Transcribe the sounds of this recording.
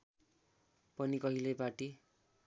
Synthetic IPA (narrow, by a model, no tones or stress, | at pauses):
pʌnikʌɦilebaʈi